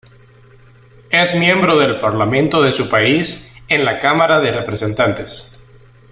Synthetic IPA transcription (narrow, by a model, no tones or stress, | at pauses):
ezmje̞mbɾo̞ðe̞lpaɾlamẽnt̪o̞ðe̞supaisenlakamaɾaðerepɾese̞nt̪ant̪e̞s